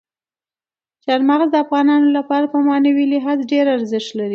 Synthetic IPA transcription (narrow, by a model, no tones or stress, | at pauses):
t͡ʃaɾmaɣzd̪əafɣɑnɑnolapɑɾapəmɑnawilɪɦɑzɖeɾaɾzɪʃt̪laɾi